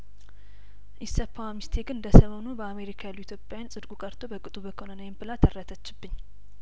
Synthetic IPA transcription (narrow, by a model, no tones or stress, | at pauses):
ʔɪsːəpʰːawamist̪ʰe̞ɡɨnɨnd̪əsəmonubəame̞ɾikʰajalːuit̪ʰjopʼjajansʼɨd̪ɡʼukʼəɾt̪ʰobəkʼɨt̪ʼubəkʰonənəjɪmbɨlat̪ʰərːət̪ʰət͡ʃːɪbːɨɲː